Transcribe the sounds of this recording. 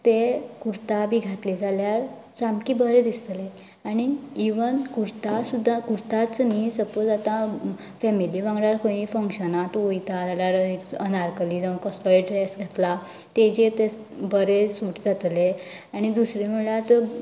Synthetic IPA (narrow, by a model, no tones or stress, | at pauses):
t̪ekuɾt̪abiɡʱat̪lid͡zʱaljaɾ | d͡zamkibəɾed̪ist̪le | aɽ̃iːʋənkuɾt̪asud̪ʱːakuɾt̪at͡snisəpod͡zat̪ã | fɛmiliʋãŋɡɽaɾkõjifəŋkɕənat̪ojt̪ad͡zaljaɾekənaɾkəlid͡zakəspajʈɛsɡʱet̪la | t̪ed͡ʑet̪e | bəɾesuʈd͡zat̪le | aɽ̃id̪usɾem̤uɭjat̪